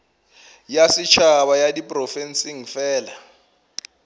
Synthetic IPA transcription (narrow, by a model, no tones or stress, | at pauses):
jasɪt͡ʃʰaβajadipʼrɔfɛnsiŋ̩fɛːla